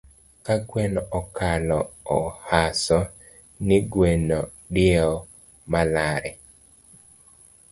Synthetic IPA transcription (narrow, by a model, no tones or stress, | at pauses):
kaɡwenɔɔkalɔːhasɔ | nɪɡwenɔ | dɪɔ | malaɾɛ